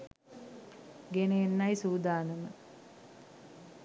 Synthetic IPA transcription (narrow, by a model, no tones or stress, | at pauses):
ɡeneenːajsuːd̪aːnəmə